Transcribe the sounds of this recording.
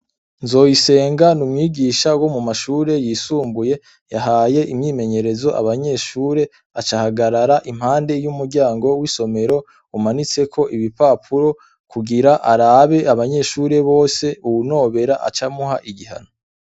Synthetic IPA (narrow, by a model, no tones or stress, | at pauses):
nzo̞ːjise̞ːŋɡanumŋiːɡiːʃawo̞mumaʃuːɾe̞jiːsuːmbuje̞ | jaɦaːje̞ʔimɲiːme̞ɲe̞ɾe̞zo̞ʔa̰βaɲe̞ʃuːɾe̞ | at͡ʃahaɡaɾaɾaʔim̥haːnde̞jumuɾɟaːŋɡo̞wiso̞me̞ɾo̞ | umanit͡se̞kʰo̞ʔiβipapʰuɾo̞ | kuɡiɾaʔaɾaːβe̞aβaɲe̞ʃuːɾe̞βo̞ːse̞uwuno̞ːβe̞ɾaʔa̰t͡ʃamuɦaʔiɡiɦa̰no